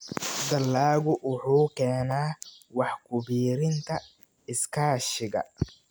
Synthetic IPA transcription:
d̪ɐlːaːɣʊʔʊħuːkʰɛːnaːwɑħkʰʊβiːɾɪnt̪ʰɐ | ɪskʰaːʃɪɣɐ̰

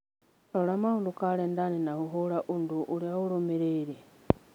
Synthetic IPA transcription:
olamaundukalendanenahuɦoɾaʔunduʔuljaulomeɾeiɾe

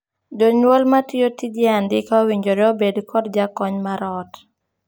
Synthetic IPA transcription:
d͡ʒoɲwolmatijotid͡ʒɛandɪkɔwiɲd͡ʒoɾeobedkʰɔdd͡ʒakɔɲmaɾɔt

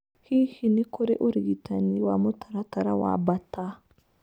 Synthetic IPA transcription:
hihinikoɾeʔuɾiɡitʰaniwamotʰaɾataɾawa̰bata

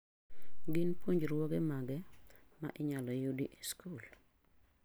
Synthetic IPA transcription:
ɡɪnpuɲd͡ʒɾwɔɡemaɡɛ | ma̰ʔɪɲalɔjudiʔiskul

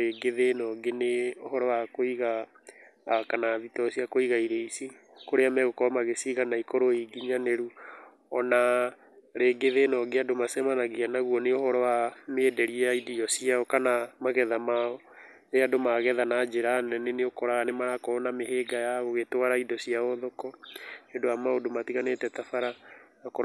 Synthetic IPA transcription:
eɡeðenɔɡeneohɔɾɔwakoiɣa | kanaðitɔsiakoiɣaiɾeisi | koɾeamɛɣokɔmaɣesiɣanaikoɾoiɡiɲaneɾu | ɔna | ɾeːɡeðenɔɡeadomasɛmanaɣianaɣuɔneohɔɾɔwamedɛɾiaidiɔsiaɔkanamaɣɛðamaɔ | eadomaɣɛðanad͡ʒeɾanɛneneokɔɾaɣanemaɾakɔɔnameheːɡajaɣoɣetwaɾaidɔsiaɔðokɔendoamaodomatiɣanetɛtafaɾa | akɔ

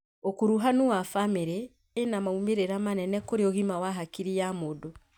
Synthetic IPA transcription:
okuɾuɦanuwafameɾeː | namaumeɾeɾamanɛnɛkoɾeoɣimawaɦakiɾiamodo

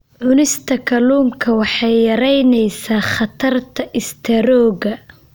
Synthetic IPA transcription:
ʕʊnɪst̪ʰɐkʰɐluːŋkʰɐwɑħɑjːɐɾɛjnɛjsaːχɑt̪ʰɐrt̪ʰɐʔɪst̪ʰɐɾɔːɣɐ

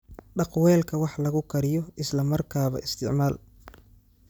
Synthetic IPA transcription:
ɖɑqwɛːlkʰɐwɑħlɐɣʊkʰɐɾɪjɔɪslɐmɐrkʰaːβɐ̰ʔɪst̪ʰɪ̰ʕmaːl

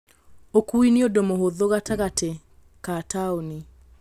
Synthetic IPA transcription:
okuiniodomohoðoɣataɣate | kataoni

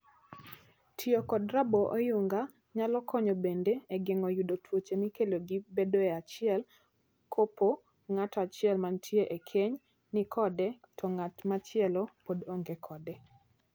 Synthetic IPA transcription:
tʰjokɔdɾaboʔojuŋɡa | ɲalɔkʰɔɲɔbendeeɡɪŋɔjudotʰwot͡ʃemikeloɡibedoeat͡ʃɪɛl | kʰopo | ŋatɔat͡ʃɪɛlmantʰjeʔekʰeɲ | nɪkʰɔdɛtʰɔŋatmat͡ʃɪɛlɔpodoŋɡekʰɔdɛ

